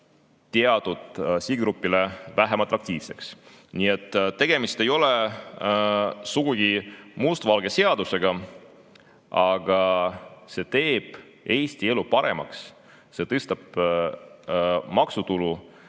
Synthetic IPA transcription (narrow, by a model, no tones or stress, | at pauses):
t̪eɑd̪̥ud̪̥siɡɡɾupːilevæɦemɑt̪ːˑɑkt̪iːvse̞ks | niet̪ːˑt̪ːe̞ɡ̥e̞mist̪e̞jo̞le̞ | suɡ̥uɡ̥imust̪vɑlɡ̥e̞se̞ɑd̪use̞ɡ̥ɑ | ɑɡ̥ɑse̞ːt̪e̞ːb̥ | e̞ːst̪ie̞lupɑɾe̞mɑ̰ks | se̞ːt̪ɤst̪ɑb̥ | mɑksut̪ulu